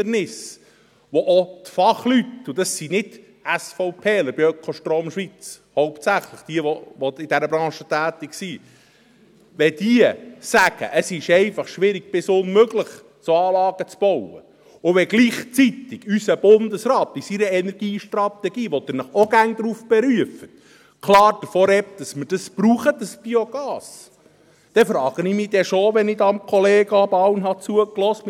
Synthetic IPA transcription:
ənɪs | ʋɔʔot̪fɑχlyt̪ʊd̪ɑsːinɪd | æsfɔʊpʰeːləb̥ɪœkʰoʃtɾoːmʃʋit͡shɔʊptsæχləχd̥iəʋɔʋɔɪd̥̪æɾəbɾɑ̃ːʃət̪æːt̪ɪksiː | ʋɛd̥̪iəsæɡ̥ə̰ʔəsɪʃɛɪfɑχʃʋɪɾɪɡ̥̚b̥ɪsʊnmøɡləχ | t͡soɑːlɑːɡ̥ət͡sb̥ɔwə̰ | ʊʋɛɡliːχt͡sit̪ɪɡ̥ysəb̥ʊnd̪əsɾɑːt̪isiɾəɛnɛɾɡ̥iːʃtrɑt̪ɛɡ̥iːʋɔt̪ɪnəχɔɡæŋd̪̥ɾufb̥ɛɾyəfət | kʰlɑːɾd̥əfɔɾɛp̚d̥̪ɑsməd̥ɑsb̥ruːχəd̪əsb̥ioɡ̥ɑːs | d̪̥ɛfɾɑːɡ̥ənimid̥ɛʃoʋɛnɪdɑmkʰɔleːɡəɑbɑwnɦɑt͡suəklɔstm

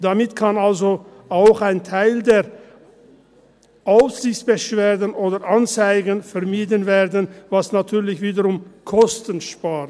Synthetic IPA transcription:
d̥amɪtkʰanalzoʔaʊxaɪntʰaɪldeːɐ | ʔaʊfz̥ɪçt͡sb̥əʃv̥eːɐdənʔoːdɐʔant͡saɪɡənfɛɐmiːdənveːɐdənvasnatʰyːɐlɪçv̥iːdəʁʊmkʰɔstənʃpaːʁ

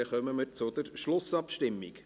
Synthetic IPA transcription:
ɛχœməməɾt͡sʊd̪əɾʃlʊsɑpʃtɪmːik

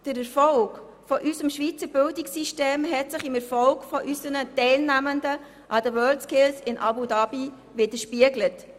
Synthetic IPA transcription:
d̥əɾɛɾfɔlɡ | fɔʔysəmʃʋiːt͡səɾbɪldɪksiʃteːmɦɛtsɪχɪmɛɾfɔlɡfɔʔysənətɛɪlnæməndə | ʔɑdəwœːltskɪlsɪnʔɑ̰budɑbi | ʋɪd̥əʃpiəɡlət

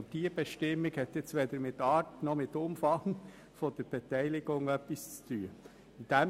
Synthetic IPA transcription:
d̥iəb̥eʃtɪmɪɡhɛt̪jɛt͡stʋeːd̪əɾmɪtɑːɾtnɔmɪtːʊmfɑŋ | fod̥əɾb̥ɛtæɪlɪɡʊŋœpːist͡st̪ʰyːə | nd̪̥ɛ

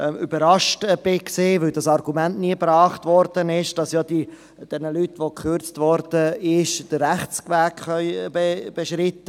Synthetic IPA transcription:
ybəɾɑʃtb̥ɪkseːvɪldɑsɑɾɡ̥umæntniəbɾɑːχtʋɔɾd̥ənɪʃd̥ɑsjɑːd̥i | d̥ɛnəlytʋokʰøɾt͡stʋɔɾd̥əɪʃd̥əːæχt͡skʋæːkχœʏbeb̥eʃɾɪt̪ːə

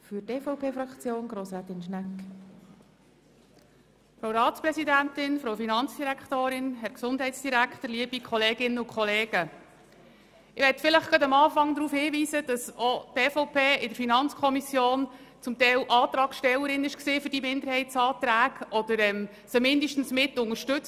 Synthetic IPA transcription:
fyteːfɔʊpʰeːfɾɑkt͡sjoːnɡɾoːsæt̪ɪnʃnæk | fɾowɾɑːtt͡spɾɛsidæntɪnfɾowfinɑnt͡sd̥iɾækt̪oːɾɪnɦɛɾksʊndɦɛɪtsd̥iɾækχtəɾliəbikʰɔleːɡɪnːəʊkχɔleːɡ̥ə | ɪʋɛtfɪləχɡ̥ɑdɑmɑːfɑŋd̪ɾuːfhiːʋiːzəd̥ɑsɔt̪ɛfɔʊpʰeːʔɪdəɾfinɑnt͡skʰɔmisjoːnt͡sʊmt̪ɛɪlʔɑːt̪ɾɑːkʃtɛlːəɾɪnɪʃksiːfʏɾdimɪnd̪əɾhɛɪtsɑːt̪ɾæːkɔd̥̪əɾɛm | səmɪndəʃtn̩smɪtːʊŋəɾʃtɵt͡s

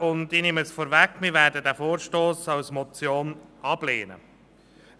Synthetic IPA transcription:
ʊndinɪməsfɔːɾvækmɪɾvæːɾdədæːfoːɾʃtoːsɑwsmɔt͡sjoːnʔɑb̥leːnə̰

